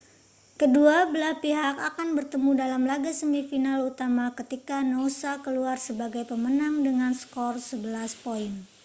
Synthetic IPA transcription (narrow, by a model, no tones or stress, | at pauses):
kəduabəlahpiɦakakanbərt̪əmudalamlaɡasəmifinalut̪amakət̪ikanosakəluarsəbaɡajpəmənaŋdəŋanskɔrsəbəlaspoin